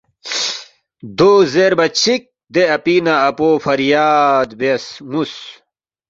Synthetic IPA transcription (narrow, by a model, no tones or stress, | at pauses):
d̪oːzeɾbɐt͡ɕʰik̚ | d̪eɐpinaɐpoːfɐɾjaːd̪besmus